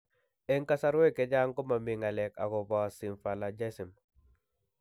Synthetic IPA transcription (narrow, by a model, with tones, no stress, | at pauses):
ɛ˦ŋka˦sa˦ɾwe˦˨kɛ˨˦d͡ʒa˦ŋkɔ˦ma˨mɪ˨ŋa˨lɛ˨ka̰˨ɡɔ˨bɔ˨si˨mfa˨la˨d͡ʒa˦si˨m